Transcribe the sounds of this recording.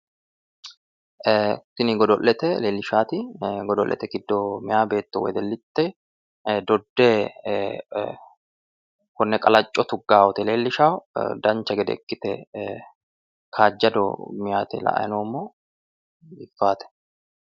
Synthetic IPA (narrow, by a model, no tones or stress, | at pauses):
sɪnɪɡɔd̪ɔʔːɛt̪ɛleːlːɪʃaːt̪ɪɡɔd̪ɔlːʔːɛ̰t̪ɛɡɪd̪ːomɪjaːbe̞ːt̪ːɔwɔ̰jd̪ɛlːɪt̪ːɛ | d̪ɔd̪ːeː | kʊnːɛkʼɐlɐt͡ʃʼːɔt̪ʊɡːaːwɔt̪ɛle̞ːlːɪʃawd̪ɐnt͡ʃːɐɡɛd̪ɛ̰kːɪt̪ɛ | kʰaːd͡ʒːɐd̪ɔ̰mɪjaːt̪ɛlɐ̰ʔɐ̰jɐnoːmːoː | ɪfːaːt̪ɛ̥